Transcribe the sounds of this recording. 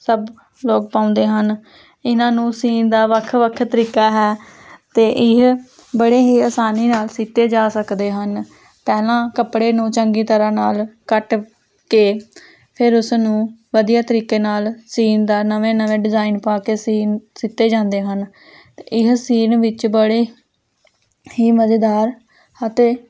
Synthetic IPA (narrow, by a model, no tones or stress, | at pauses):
səb | loːk̚pãːʊ̃nd̪eːɦən | ɪnãːnũːsiːnd̪aːʋəkʰːʋəkʰt̪əɾiːkaːɦɛːt̪eːʔɪɦ | bəɽeːɦiːəːsaːniːnaːlsit̪eːd͡ʒaːsəkd̪eːɦən | pɛːlãːkəpɽeːnũːt͡ʃəŋɡiːt̪əɾãːnaːlkəʈ | keː | pʰɪɾʊsnũːʋəd̪ijaːt̪əɾiːkeːnaːlsiːnd̪aːnəʋẽːnəʋẽːɖɪzaːɪnpaːkeːsiːnsɪt̪eːd͡ʒãːnd̪eːɦən | t̪eːɪɦsiːnʋɪt͡ʃbəɽeː | hiːməd͡ʒeːd̪aːɾ | ət̪eː